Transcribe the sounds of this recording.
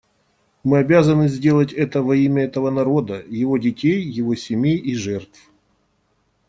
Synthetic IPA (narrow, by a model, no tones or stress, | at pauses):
mɨɐbʲazənɨzʲdʲe̞lˠətʲɛt̪əvɐimʲəɛt̪əvənɐɾo̞d̪əjɪvo̞dʲɪtʲejːɪvo̞sʲɪmʲejiʐɛrt̪f